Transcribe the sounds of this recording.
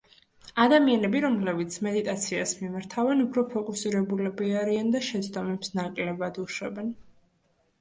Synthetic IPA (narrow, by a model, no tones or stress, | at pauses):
ad̪amianɛbiɾɔmlɛbit̪sʰmɛd̪it̪ʼat̪sʰiasmimaɾt̪ʰavɛnupʰɾɔpʰɔkʼusiɾɛbulɛbiaɾiand̪aʃɛt̪sʰt̪ʼɔmɛpsnakʼlɛbad̪uʃwɛbɛn